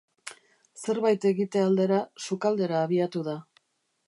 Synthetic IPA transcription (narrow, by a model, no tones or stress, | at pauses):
se̞ɾβajt̪e̞ɣit̪e̞ald̪e̞ɾasukald̪e̞ɾaːβiat̪uð̞a